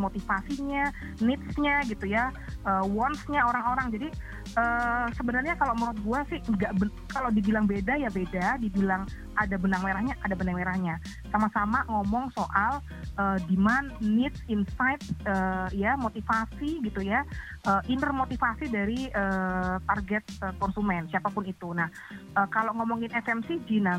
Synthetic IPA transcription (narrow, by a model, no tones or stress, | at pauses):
mot̪ifasiɲa | nɪt̪̚sɲaɡit̪uja | ʔəːwɔnsɲaoɾaŋoɾaŋd͡ʒadi | əsəbənarɲakaloməɾuʊt̪̚ɡuasɪhɡaʔbəkalawdibilaŋbedajabedadibilaŋ | adabənaŋmeɾahɲaʔadabənaŋmeɾahɲa | samasamaŋɔmɔŋsoʔal | ʔəːdimanːɪt̪̚insajt̪̚əːjamot̪ifasiɡit̪uja | ʔəːʔint̪ərmot̪ifasidaɾiəːt̪arɡɛt̪̚əkɔnsumɛnsiapapʊnit̪unah | ʔəːkaloʔŋɔmɔŋɪnɛfɛmsɪhd͡ʒina